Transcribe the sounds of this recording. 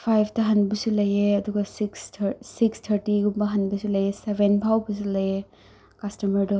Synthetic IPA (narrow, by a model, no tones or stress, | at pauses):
pʰajbʰtɐɦɐnbɐsulɐjeɐduɡɐsiksʰsikstʰɐɾtiɡumbɐɦɐnbɐsulɐjesebʱenpʰawbɐs̬ulɐje | kɐstɐmɐɾdɔ